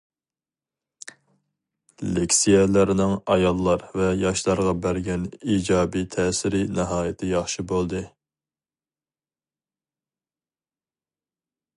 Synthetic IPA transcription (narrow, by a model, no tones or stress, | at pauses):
lekʲsijɛlæɾnɪŋɑjɑlˠːɑɾvɛjɑʃlˠɑɾʁɑbæɾɡʲɛniːd͡ʒɑːbit̪ʰɛːsɪɾinɪɦɑːjɪt̪ʰɪjɑχʃibolˠd̪ɨ